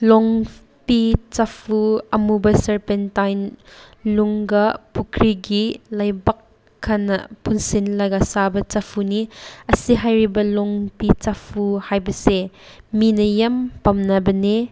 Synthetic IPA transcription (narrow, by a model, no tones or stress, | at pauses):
lɔŋ | pit͡ʃapʰuɐmubɐsɐɾpentajnluŋɡɐpukʰɾiɡilɐjbɐkʰː | ɐnɐ̰punsinlɐɡɐsabɐt͡ʃɐpʰuniɐsiɦajɾibɐlɔŋpit͡ʃapʰuhajbɐseminɐjɐmpɐmnɐbɐne